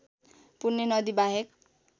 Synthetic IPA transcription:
punːenʌd̪ibaɦek

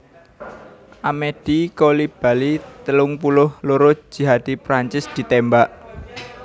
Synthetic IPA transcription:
ʔamed̪̥i̤kolib̥ä̤lit̪əlʊŋpulʊhloɾo̥d͡ʒ̥i̤ɦad̪̥ipɾaɲt͡ʃɪsd̪̥i̤t̪embaʔ

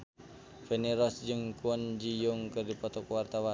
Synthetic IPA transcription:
fɛniɾɔsd͡ʒɨŋkuɔnd͡ʒijuŋkɨrdipɔt̪ɔkwart̪awa

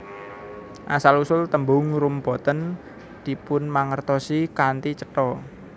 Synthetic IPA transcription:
ʔasalusʊlt̪əmbʊŋɾumbɔ̤t̪ən | d̪̥i̤pʊnmaŋərt̪ɔsikant̪it͡ʃəʈɔ

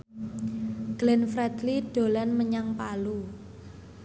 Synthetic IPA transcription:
ɡ̥lɛnfɾɛd̪lid̥o̤lanməɲaŋpalu

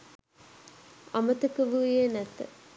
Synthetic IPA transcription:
amət̪əkəʋujenæt̪ə̰

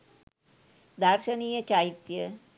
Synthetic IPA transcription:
d̪aɾʃəniːjət͡ʃait̪jə

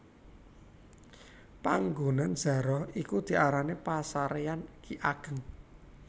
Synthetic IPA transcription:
paŋɡo̤nanz̥a̤ɾɔhikud̪̥i̤ʔaɾanepasaɾeankiʔaɡ̥ə̤ŋ

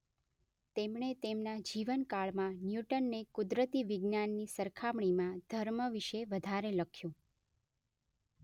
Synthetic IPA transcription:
t̪emɳet̪emnad͡ʒiʋənkaɭmãnjuʈənːekud̪ɾət̪iʋɪɡnanːisəɾkʰamɳimãd̪ʱəɾməʋiʃeʋəd̪ʱaɾeləkʰjũ

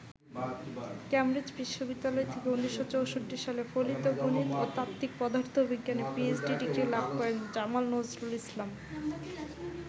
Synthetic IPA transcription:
kɛmɾid͡ʑbiʃːobid̪ːalɔet̪ʰekeunːiʃːot͡ɕowʃoʈːiʃalefolit̪oɡunit̪ot̪ap̚t̪ik̚pɔd̪ʱaɾt̪ʰobiɡːanepiesɖiɖikɾilab̚ʱkɔɾend͡ʑamalnozɾulislam

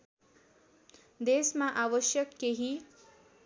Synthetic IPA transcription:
d̪eːsmãʔaːʋəʃjəkːeɦĩ

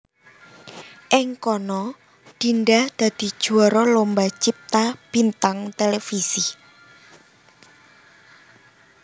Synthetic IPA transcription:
ʔɪŋkɔnɔ | ɖ̪̥i̤nɖad̪̥a̤d̪̥i̤̥ʒ̥uaɾɔlombat͡ʃip̚t̪ab̥i̤nt̪aŋt̪elefisi

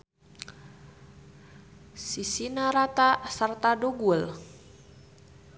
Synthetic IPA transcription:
sisinaɾat̪asərt̪adoɡuəl

